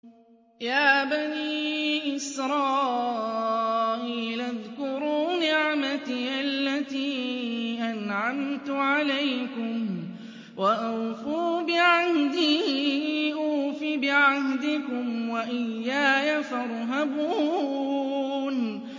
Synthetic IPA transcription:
jaːbaniːʔɪsɾˤɑː | ʔiːlʔaðkʊɾuːnɪʕmat̪iʔalːat̪iːʔanʕamt̪ʊʕalajkʊm | waʔawfuːbɪʕahd̪iː | ʔuːfibɪʕahd̪ɪkʊmwaʔɪjːaːjafɑɾˤɦabuː | n

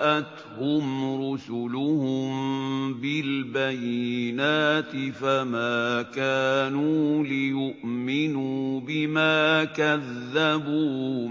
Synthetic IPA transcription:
ʔat̪ | hʊmɾʊsʊlʊhʊmbɪlbajnaːt̪ɪfamaːkaːnuːlɪjʊʔmɪnuːbɪmaːkaðːabuː

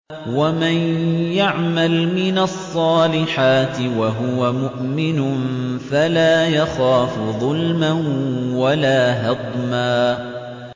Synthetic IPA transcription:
wamanjaʕmalmɪnɑsˤːɑːlɪħaːt̪ɪwaɦʊwamʊʔmɪnʊnfalaːjaxaːfʊðˤʊlmanwalaːɦɑd̪ˤmaː

